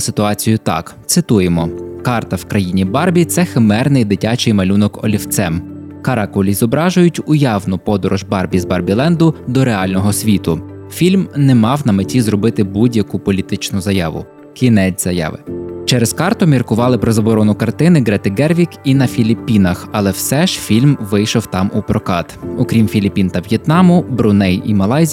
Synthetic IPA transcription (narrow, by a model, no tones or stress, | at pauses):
sɪt̪ʊɑt͡sʲijʊt̪ɑ̰kt̪sɪt̪ujemɔkɑrt̪ɐwkɾɐjinʲibɑrbʲit̪sɛxemɛrnɪjd̪ɪtʲɑt͡ʃɪjmɐlʲunɔkɔ̰lʲiwt̪sɛm | kɐɾɑkʊlʲizɔbɾɑʒʊjʊtʲʊjɑwnʊpɔd̪ɔɾɔʒbɑrbʲizbɐrbʲilˠɛnd̪ʊd̪ɔɾeɑlʲnɔɦɔsʲʋʲit̪ʊfʲilʲmnɛmɑwnɐmetʲizrɔbɪt̪ɪbudʲjɐkʊpɔlʲit̪ɪt͡ʃnʊzɐjɑ̰ʋʊ̰ | kʲʰinɛt͡sʲzɐjɑ̰ʋɪ̰t͡ʃɛɾeskɑrt̪ʊmʲirkʊʋɑlˠɪpɾɔzɐbɔɾɔnʊkɐrt̪ɪnɪɡɾɛt̪ɪɡɛrʋʲikinɐfʲilʲipʲːinɐxɐlˠɛwsɛʒ̥fʲilʲmʋɪjʃɔwt̪ɑmupɾɔkɑt̪ɔkɾʲimfʲilʲipʲint̪ɐʋjɛt̪nɑmʊbɾʊnɛjḭmɐlˠɑjzʲ